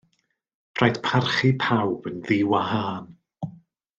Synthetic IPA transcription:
pʰrajd̥pʰarχipʰawb̥ənðɪwaɦaːn

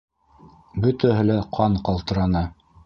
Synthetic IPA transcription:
bɵ̆t̪æɦɘ̆læqʰɑɴqɑlˠt̪ɤ̆ɾɑnɤ

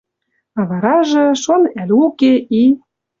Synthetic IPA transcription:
ɑβɑɾɑʒɤ̆ʃonælʲukeʔi

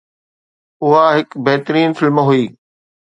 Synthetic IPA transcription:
ʊɦaɦɪkbɐɦt̪ɾiːnfɪlmɦuiː

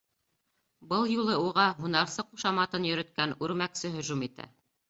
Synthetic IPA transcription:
bɤlˠjulˠɤuʁɑɦunɑɾsɤquʃɑmɑt̪ɤnjɵ̆ɾɵ̆t̪̚kænʉɾmæksɘɦɵ̆ʒumit̪æ̰

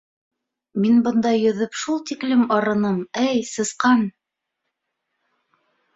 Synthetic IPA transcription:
minbɤ̆nd̪ɑjɵ̆ðɵpʃulˠt̪iklɘmɑɾɤ̆nɤmæjsɤ̆sqɑn

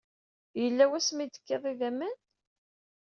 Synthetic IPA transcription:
jəlːæwæsmid̪ə̥kːeðˤiðæmːən

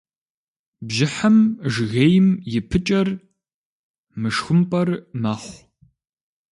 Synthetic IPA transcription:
bʒɪħɐmʒɣejɪmjɪpʰɨt͡ʃʼɐr | mɨʂxʊmpʼɐrmɐχʷ

